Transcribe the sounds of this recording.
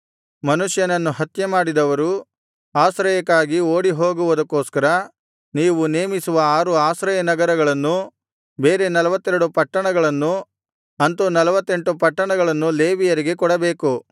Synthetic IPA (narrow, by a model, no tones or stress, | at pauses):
mɐnuʂjɐnɐnːuɦɐt̪jɐmaːɽid̪ɐʋɐɾu | aːsɾɐjɐkːaːɡioːɽiɦoːɡuʋud̪ɐkːoːskɐɾɐ | niːʋuneːmisuʋɐaːɾuaːsɾɐjɐnɐɡɐɾɐɡɐɭɐnːu | be̞ːɾe̞nɐlɐʋɐt̪ːɛɾuɽupɐʈːɐɳɐɡɐɭɐnːu | ɐnt̪unɐlɐʋɐt̪ːe̞ɳʈupɐʈːɐɳɐɡɐɭɐnːule̞ːʋijɐɾiɡe̞kɔɽɐbe̞ːku